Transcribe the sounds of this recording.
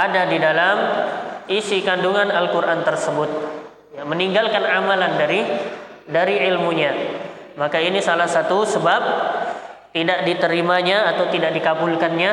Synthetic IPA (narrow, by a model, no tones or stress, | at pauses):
adadidalam | isikanduŋanalkuɾʔant̪ərsəbʊt̪̚ | jaməniŋɡalkanamalandaɾi | daɾiilmuɲa | makainisalahsat̪usəbap̚ | t̪idaʔdit̪əɾimaɲaːt̪awt̪idaʔ̚dikabulkanɲa